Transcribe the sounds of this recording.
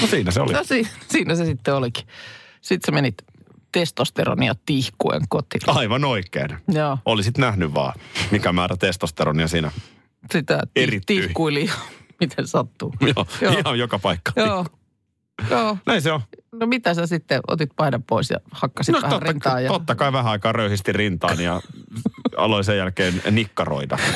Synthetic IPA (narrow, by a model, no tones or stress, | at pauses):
nosiːnæseo̰linosiːsiːnæsesit̪ːeoliki̥sit̪semenit̪ | t̪est̪ost̪ḛro̰niɑt̪ihkuḛŋkot̪ḭnɑiʋɑnoikːˑḛːnjoːʔolisit̪næhnyʋʋɑ̰ːmikæmæːɾæt̪est̪ost̪eɾoniɑsiːnæ | sit̪æt̪eirit̪iykuilihɑmit̪ʰensɑt̪ːuːjoːjoihɑjjokɑpɑikːɑ̥joːu̥ | joːnʔæinseonomit̪æsæsit̪ːeʔo̰t̪it̪̚pɑidɑppoisjɑ̰hɑkːɑsitnoæht̪orɑnɑːjɑt̪ot̪ːɑkɑiʋæhæɑikɑːrøyhist̪irint̪ɑːnijɑ | ɑ̰loisejjælkeːnnikːɑro̰id̪ɑ̰